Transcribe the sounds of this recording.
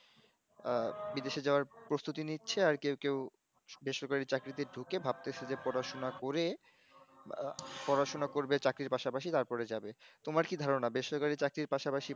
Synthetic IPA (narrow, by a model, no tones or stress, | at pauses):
bid̪eʃed͡ʑaoaɾpɾost̪ut̪initːɕʰeaɾkewkew | beʃoɾkalit͡ɕakɾit̪eɖʱukebʱab̚t̪esʰed͡ʑepɔɾaʃonakoɾe | pɔɾaʃonakoɾbet͡ɕakɾiɾpaʃapaʃit̪aɾpɔɾed͡ʑabet̪omaɾkid̪ʱaɾonabeʃoɾkalit͡ɕakɾiɾpaʃapaʃi